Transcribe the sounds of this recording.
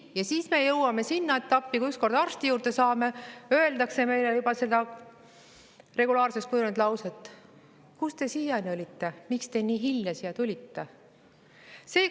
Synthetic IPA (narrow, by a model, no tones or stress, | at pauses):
jɑsiːsme̞ːjɤwɑme̞sinːɑe̞t̪ːˑɑpːikuyksko̞rd̪ɑrst̪ijuːrd̪e̞sɑːme̞ø̞e̞ld̪ɑkse̞me̞jlejubɑse̞d̪̥ɑ | re̞ɡulɑːrse̞st̪̚kujunud̪lɑwset̪ːˑ | kust̪e̞siːjɑjnolʲit̪ːe̞mikst̪e̞niːɦilʲjɑsijɑt̪ulʲit̪ːe̞ | se̞ː